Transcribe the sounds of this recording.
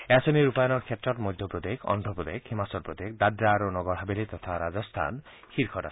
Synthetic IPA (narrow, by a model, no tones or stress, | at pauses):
asɔniɾupajɔnɔɾkʰetɾɔtmɔjd̪ʱjɔpɾod̪ekʰɔ̰nɖʱɔpɾɔd̪ekhimasɔɾpɾod̪ek̚d̪adɾaɾonɔɡɔɾɦabelet̪ɔt̪ʰaɾad͡ʒɔst̪ʰa̰n | hʰiɾkʰɔɾa̰